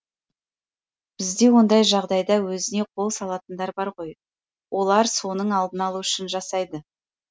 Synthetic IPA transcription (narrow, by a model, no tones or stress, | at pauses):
b̥ɪzd̪e̞wo̞nd̪ɑjʒɑʁd̪ɑjd̪ɑwɵzɪne̞qʰo̞lˠsɑlˠɑt̪ənd̪ɑɾbɑɾʁo̞j | wʔo̞lˠɑɾso̞nəɴɑlˠd̪ənɑlˠuʏʃɪnʒɑsɑjd̪ə